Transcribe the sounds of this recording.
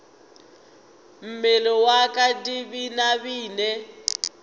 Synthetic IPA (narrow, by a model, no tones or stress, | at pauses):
m̩mɛlɔwakʼadiβinaβiːnɛ